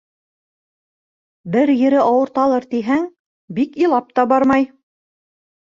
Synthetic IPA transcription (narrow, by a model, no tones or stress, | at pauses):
bɘɾjɘ̆ɾɘʔɑwɤ̆ɾt̪ɑlˠɤɾt̪iɦæŋ | bikilˠɑp̚t̪ɑbɑɾmɑj